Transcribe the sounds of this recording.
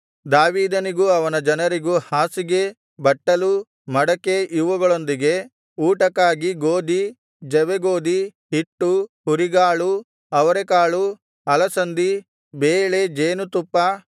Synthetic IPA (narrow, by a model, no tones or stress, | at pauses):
d̪aːʋiːd̪ɐniɡuɐʋɐnɐd͡ʒɐnɐɾiɡuhaːsiɡe̞ | bɐʈːɐlu | mɐɽɐke̞ʔiʋɐɡɐɭo̞nd̪iɡe̞ | uːʈɐkaːɡiɡoːd̪i | d͡ʒɛʋeɡoːd̪iɦiʈːuhuɾiɡaːɭu | ɐʋɐɾekaːɭu | ɐlɐsɐnd̪i | beːɭe̞d͡ʒeːnut̪upːɐ